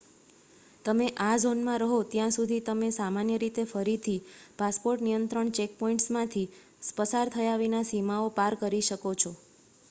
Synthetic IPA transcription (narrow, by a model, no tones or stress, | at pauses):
t̪əmeʔazonmãɾəɦot̪jãsud̪ʱit̪əmesamanjəɾit̪efəɾit̪ʰipaspoɾʈnijənt̪ɾəɳt͡ʃek̚pɔĩɳʈsmãt̪ʰi | spəsaɾt̪ʰəjaʋinasimaopaɾkəɾiʃəkot͡ʃʰɔ